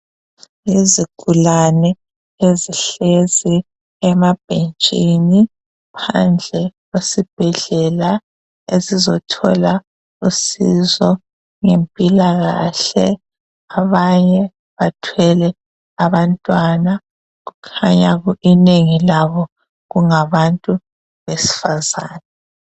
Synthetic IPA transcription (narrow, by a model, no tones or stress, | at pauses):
jeziɡ̥ʱulanɛ | eziɬezi | ɛmab̥̚ʱent͡ʃʼini | pʰa̰nd͡ɮʱɛɣwesib̥ʱɛɮɛla | ezizɔtʰɔla | usizɔ | ŋempʼilaɣaɬɛ | aβaɲɛ | βatʰwɛlɛ | aβantʼwana | ɣukʰaɲaɣuʔineŋilaβɔ | ɣuŋaβantʼu | βesi̥faza̰ːna